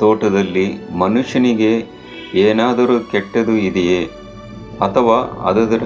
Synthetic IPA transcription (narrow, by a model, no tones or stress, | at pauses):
t̪oːʈɐd̪ɐlːimɐnuʂjɐniɡe̞ | eːnaːd̪ɐɾukɛʈːɐd̪uid̪ɛje | ɐt̪ʰɐʋaːɐ̰d̪ɐd̪ɐɾ